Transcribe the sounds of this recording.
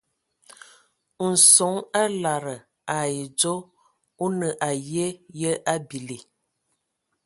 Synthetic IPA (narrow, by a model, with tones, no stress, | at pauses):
n̩˨sɔ˨˦ŋa˦la˨ɾə˨ | a˨je˨d͡ʒo˦ | u˦nə˨ʔa˨je˦jə˦ʔa˦bi˨li˨